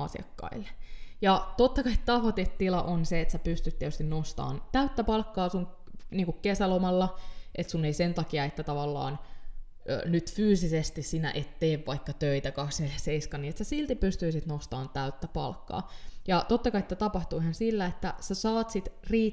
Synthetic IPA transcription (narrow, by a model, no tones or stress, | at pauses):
ɑsḭɑ̰kːɑ̰ilːe̥jɑt̪ot̪ːɑkɑit̪t̪ɑʋot̪et̪ːilɑʔonseet̪sæpyst̪yt̪ːeæt̪yst̪innost̪ɑ̰ːnt̪æyt̪ːæpɑlkːɑːsuŋ | niːŋkukkesælomɑlːɑʔet̪sunːeisent̪ɑkiɑet̪ːæt̪ɑʋɑlːɑ̰ːn | ø̰ːnyt̪fyːsisest̪issinæ̰ʔet̪ːeːʋʋɑikːɑt̪øit̪ækɑksnelæseiskɑniːet̪sæsilt̪ipyst̪yisit̪nost̪ɑːnt̪æyt̪ːæpɑ̰lkːɑ̰ːjɑt̪ot̪ːɑkɑiet̪ːæt̪ɑpɑht̪uihɑnsilːæet̪ːæ̰sæsɑːt̪sit̪riː